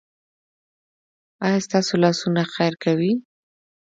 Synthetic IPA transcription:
ɑjast̪ɑsolɑsunaxajɾkawi

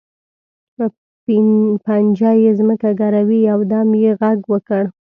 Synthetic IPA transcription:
pə | pand͡ʒɑjezməkaɡaɾawiawd̪ɑmjeɣaɡwəkəɽ

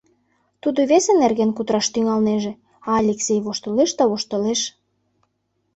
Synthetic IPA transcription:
t̪ud̪oβesenerɣenkut̪ɾɑʃt̪yŋɑlneʒĕ | ɑːlʲeksʲejβoʃt̪ɤleʃt̪ɑβoʃt̪ə̆leʃ

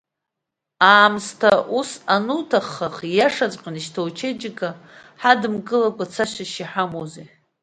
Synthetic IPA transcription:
aːmstʰaʔusanutʰaχːaχjaʂat͡sʷʼqʲʼaniʃtʰawt͡ʃʰed͡ʒɪkaħadɨmɡɨlakʷʰʼat͡sʰaʃʷaʃiħamoze

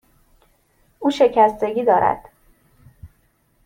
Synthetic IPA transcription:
uːʃe̞cʰæst̪e̞ɟʲiːd̪ɒːɾʔæ̰d̪̥

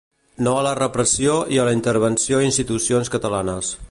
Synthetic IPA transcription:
noələrəpɾəsioʔiələint̪əɾβənsioinst̪it̪usionskət̪əlanəs

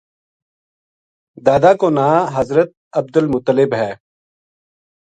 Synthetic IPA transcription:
d̪aːd̪aːkoːnaːɦəzɾət̪̚əb̚d̪əlmʊt̪ːəlɪbɦɛː

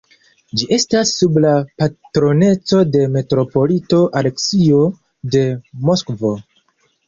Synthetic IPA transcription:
d͡ʒiʔe̞stasːublapatɾo̞ne̞t͡so̞de̞me̞tɾo̞po̞lito̞ʔale̞ksio̞ | de̞moskvo̞

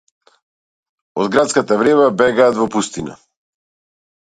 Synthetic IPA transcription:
ɔd̪ɡɾat̪skat̪avɾɛβabɛɡaːt̪vɔpust̪ina̰

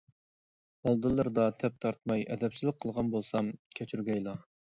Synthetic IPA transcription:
ɑlˠd̪ɨlˠːɨɾd̪ɑt̪ʰɛp̚t̪ʰɑɾt̪̚mɑjɛd̪ɛpsizlˠəqʰːəlˠʁɑnbolˠsɑmkʲʰɛt͡ʃʰyɾɡʲɛjlˠɑ

